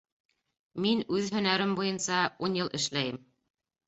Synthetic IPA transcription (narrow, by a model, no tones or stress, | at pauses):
minʉðhɵ̆næɾɘmbujɤnsɑunjɤlˠʔɘ̆ʃlæjɘm